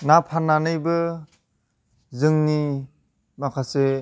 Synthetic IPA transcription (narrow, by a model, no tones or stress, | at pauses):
napʰanːanɯjbɯ | zɯŋni | makʰase